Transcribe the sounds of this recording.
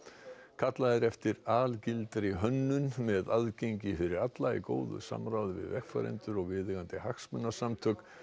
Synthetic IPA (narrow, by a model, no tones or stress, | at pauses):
kʰat̪laðɪɾɛft̪ɪɾaːlcɪlt̪ɾɪɦœnːʏnmɛðaðcejɲcɪfɪɾɪɾat̪laḭko̰ːwðʏ̰sa̰mɾawðɪvɪ̰ðvɛxfa̰ɾɛ̰nt̪ʏɾɔɣvɪðɪɣant̪ɪhaxsmʏnːasamt̪ʰœk